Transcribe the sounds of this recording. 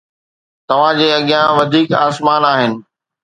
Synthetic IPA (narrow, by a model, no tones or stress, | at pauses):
t̪ɐʋ̤ãd͡ʑeːɐɠɪjãʋɐd̪ʱiːkaːsmaːnaːɦɪnɪ̆